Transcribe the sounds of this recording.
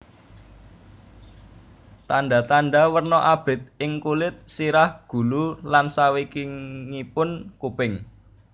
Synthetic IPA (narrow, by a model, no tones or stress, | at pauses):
t̪anɖat̪anɖawərnɔʔab̥ɾɪt̪̚ɪŋkulɪt̪̚siɾahɡ̥ṳlulansawikiŋipʊnkupɪŋ